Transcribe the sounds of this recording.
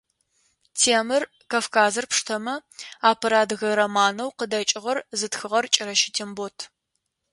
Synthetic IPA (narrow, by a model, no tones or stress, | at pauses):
tʰeːmɨr | kaːfkʰaːzɨrpʂtʰɐmɐaːpʰɐɾaːdɣɐɾɐmaːnɐwqədɐt͡ʃʼɪʁɐrzɨtxɨʁɐrt͡ʃʼɪɾɐʃɪtʰembotʰ